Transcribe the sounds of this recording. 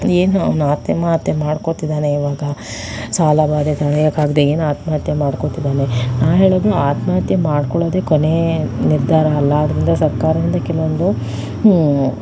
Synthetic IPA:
eːnuɐ̰ʋnaːt̪jɐmat̪jɐmaːɽkot̪id̪aːne̞iʋaːɡɐsaːlabaːd̪et̪ɐɭjɐkːaːɡd̪eeːnuaːt̪maːɐt̪jɐmaːɽkot̪id̪aːnenaːʋɦe̞ːɭoːd̪uaːt̪maːɐt̪jɐmaːɽkɔɭoːd̪ekone̞niɾd̪ʱaːɾɐːlːɐːd̪ɾind̪ɐsɐɾkaːɾɐd̪ind̪ɐkɛɭɐʋond̪u

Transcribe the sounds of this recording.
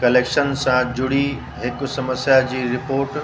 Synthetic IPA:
kɐleːkʃənsãd͡ʑʊɽ̤i | ɦɪksɐməsjad͡ʑiːɾɪpoːɾʈ

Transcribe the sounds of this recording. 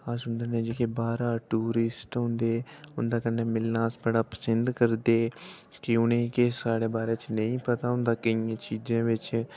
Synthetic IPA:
ãːsʊnd̪ənẽːd͡ʒeːkeːbaːɾaːʈuːɾɪsʈɦʊ̃nd̪eːʊnd̪aːkənːeːmɪlːãːsbəɽaːpə̥sənd̪kəɾd̪eː | kɪʊnẽːkesaːɽeːbaːɾeːt͡ʃnəĩːpət̪aːɦʊnd̪aːkəijãːt͡ʃiːd͡ʒãːʋɪt͡ʃ

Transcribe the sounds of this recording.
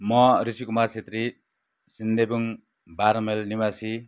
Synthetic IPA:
mɔɾisikumaɾsʰet̪ɾi | sind̪ebuŋ | baɾmelnimasi

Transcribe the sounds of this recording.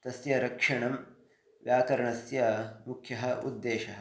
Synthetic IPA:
t̪ɐsjɐɾɐkʂɐɳɐm | ʋjaːkɐɾɐɳɐsjɐmukʰjɐɦɐ̆ṵd̪ːeːʃɐɦɐ̆

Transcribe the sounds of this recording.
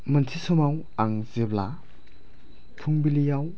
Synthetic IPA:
mɐntʰisɔmaw | aŋzebla | pʰuŋbilijaw

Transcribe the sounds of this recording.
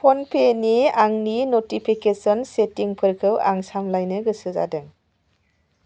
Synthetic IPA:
pʰɔnpʰeniaŋninotipʰikesɔnsetiŋpʰɯɾkʰɯwa̰ŋsamlajnɯɡɯsɯza̰dɯŋ

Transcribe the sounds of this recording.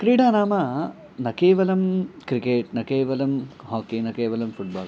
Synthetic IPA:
kɾiːɽaːnaːmɐ | nɐkeːʋɐlɐmkɾikeːʈ̚nɐkeːʋɐlɐmɦaːkinɐkeːʋɐlɐmfʰuʈ̚ba̰ːl

